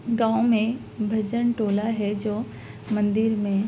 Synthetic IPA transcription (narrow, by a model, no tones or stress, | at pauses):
ɡãːõmẽ | bʱɐd͡ʒənʈoːlaɦɛd͡ʒoː | mɐ̃nd̪ɪɾmẽ